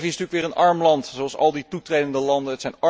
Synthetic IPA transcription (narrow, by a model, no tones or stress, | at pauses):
visntyːəkʋɪːrənɑɹmlɑntsowɑlˠsɑ̰lˠditutrejdəndəlɑndənətsɛjnɑ